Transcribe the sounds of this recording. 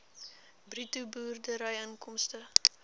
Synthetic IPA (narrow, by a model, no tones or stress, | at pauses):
britubuːrdəɾəjənkɔmstə